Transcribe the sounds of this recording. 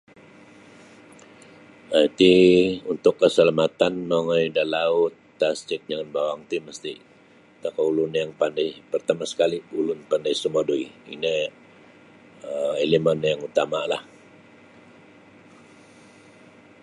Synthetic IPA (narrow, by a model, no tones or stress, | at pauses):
at̪iunt̪ʊkːəsəlamat̪anːoŋajdalaʊt̪ːast͡ʃɪt̪̚d͡ʒaŋanbawaŋt̪iməst̪i | t̪akaulʊnjaŋpandajpərt̪amasə̥kaliulʊnpandaisəmadoiḭnə | əelemanjaŋut̪amalah